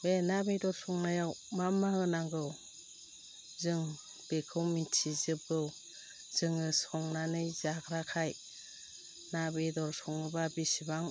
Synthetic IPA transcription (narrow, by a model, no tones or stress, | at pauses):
benabejdɔɾsɔŋnajawmamːahɯnaŋɡɯw | zɯŋ | b̥ekʰɯwmintʰizɯb̚ɡɯw | z̥ɯŋɯsɔŋnanɯjzakʰɾakʰaj | nabejdɔɾsɔŋɯbabisibaŋ